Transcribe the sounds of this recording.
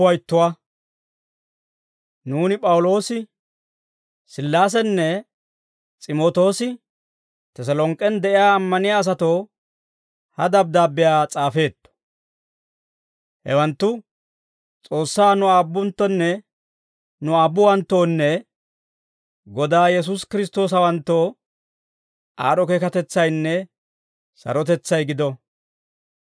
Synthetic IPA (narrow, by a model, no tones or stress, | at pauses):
wɐjt̪ːʊwa | nuːnɪpʼɐwʊlo̞ːsɪ | sɪlːaːs̬ɛnːɛ | t͡sʼɪmo̞ːt̪o̞ːsɪ | t̪ɛs̬ɐlɔŋkʼːɛnd̪ɛʔɪjaːmːɐnɪjaːs̬ɐt̪o̞ː | hɐd̪ɐb̚d̪aːbːɪjaːt͡sʼaːfe̞ːt̪ːɔ̥ | hɛ̰wɐnt̪ːʊ | t͡sʼo̞ːsːaːnʊaːbːʊnt̪ːɔnːɛ | nʊaːbːʊwɐnt̪ːo̞ːnːɛ | ɡɔd̪aːjɛs̬ʊskɪɾɪs̬t̪o̞ːs̬ɐwɐnt̪ːo̞ː | ʔaːɾɔkeːkɐt̪ɛt͡sːɐjnːɛ | sɐ̰ɾɔt̪ɛt͡sːɐjɡɪd̪ɔ